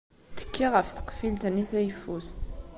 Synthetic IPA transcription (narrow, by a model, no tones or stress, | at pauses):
t̪ə̥kʰːiʁəfθə̥qfilt̪ənːiθæjəfːust̪